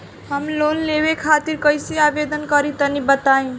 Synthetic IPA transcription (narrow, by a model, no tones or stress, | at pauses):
ɦəmlonlewekʰat̪iɾkəjseabed̪ənkəɾit̪ənibət̪aĩ